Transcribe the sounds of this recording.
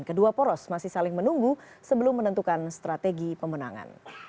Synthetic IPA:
nkəduapɔɾɔsmasɪhsalɪŋmənuŋɡu | səbəlʊmːənənt̪ukanst̪ɾat̪eɡipəməna̰ŋa̰n

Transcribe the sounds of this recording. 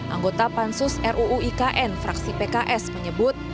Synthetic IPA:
ʔa̰ŋɡot̪apansʊsɛrʔuʔːikaʔɛnfɾaksipekaʔɛsməɲəbʊt̪̚

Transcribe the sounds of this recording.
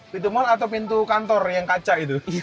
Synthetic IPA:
pit̪̬umɔnat̪awpint̪ukant̪ɔrjaŋkat͡ʃaʔit̪u

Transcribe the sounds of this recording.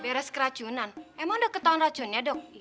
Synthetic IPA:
bɛɾɛskəɾad̥ʒ̥unanɛmaŋdɔkːət̪anrad̥ʒ̥ɔ̤njadɔk̚

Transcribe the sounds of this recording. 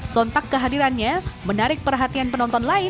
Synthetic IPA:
sɔnt̪akːəɦadiɾanɲamənaɾɪk̚pərɦat̪ianpənɔnt̪ɔnlaɪ

